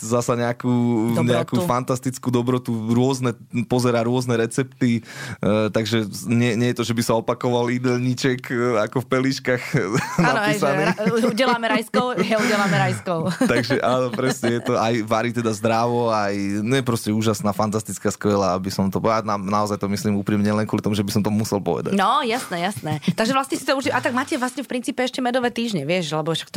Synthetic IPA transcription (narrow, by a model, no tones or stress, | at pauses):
zasaɲɛakuːɲɛakuːfant̪ast̪it͡skuːd̪ɔbɾɔt̪uɾʊɔznɛ | pɔzɛɾaːɾʊɔznɛɾɛt͡sɛpt̪i | t̪aɡʒɛɲɪɛɲɛjɛt̪ɔʒɛbisaɔpakɔʋalid̪ɛʎɲit͡ʃɛkakɔfpɛlit͡ʃkaxnapisaniuɛlamɛɾajskɔʊuɟɛlamɛɾajskɔʊt̪aɡʒɛʔanɔpɾɛsɲɛjɛt̪ɔʔajʋaɾit̪ɛd̪azd̪ɾaʋɔajɲjɛpɾɔscɛuːʒasnaːfant̪ast̪it͡skaːskʋɛlaabisɔmt̪ɔananaɔzajt̪ɔmislimuːpɾimɲɛlɛnkwɔlit̪ɔmuʒɛbisɔmt̪ɔmusɛlˠpɔ̰ʋɛ̰d̪a̰nɔjasnɛːjasnɛt̪aɡʒɛʋlasɲɛsit̪ɔuʒd̪iʔat̪aɡ̚maːcɛʋlasɲɛfpɾint͡siːpɛɛʃcɛmɛd̪ɔʋɛt̪iːʒɲɛʋɪɛʃlɛbɔʃḁkt̪